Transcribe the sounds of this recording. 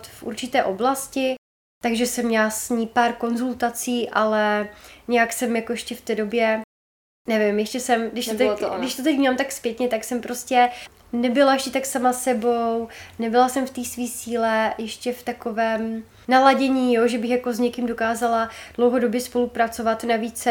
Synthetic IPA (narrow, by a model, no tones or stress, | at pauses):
t̪fʔṵɾt͡ʃɪt̪ɛːʔo̞blascɪ | t̪aɡʒɛsɛmːɲɛlasɲiːpaːɾko̞nzult̪at͡siːʔalɛɲɛjaksɛmjakojɛʃcɛft̪ɛːdo̞bjɛ | nɛvɪmjɛʃcɛsɛmɡdɪʃt̪ot̪ɛɡdɪʃt̪ot̪ɛcmamt̪akspjɛt̪ɲɛt̪aksɛmpɾo̞scɛ | nɛbɪlajɛʃcɛt̪aksamasɛbo̞wnɛbɪlasɛmft̪iːsviːsiːlɛjɛʃcɛft̪ako̞vɛːm | nalaɟɛɲiːjoʒɛbɪxjako̞zɲɛkɪmdo̞kaːzalad̥lowɦo̞do̞bjɛspo̞lupɾat͡so̞vat̪naviːt͡s